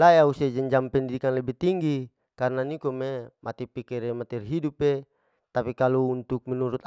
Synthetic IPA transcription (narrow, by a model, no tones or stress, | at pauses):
laeaused͡ʒɛɲd͡ʒampɛndidikanlɛbɛt̪iŋɡi | karnanikomemʔat̪ɛpikɛɾemat̪ɛrɦidupe | t̪apikaluunt̪uk̚mɛnuɾut̪